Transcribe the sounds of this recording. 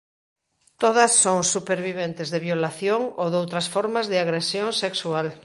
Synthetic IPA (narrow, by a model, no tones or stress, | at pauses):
t̪oðɐsːoŋsupeɾβiβ̞ent̪ɪzðeβjolaθjoŋoðowt̪ɾɐsfoɾmazðɪaɣɾesjoŋseksual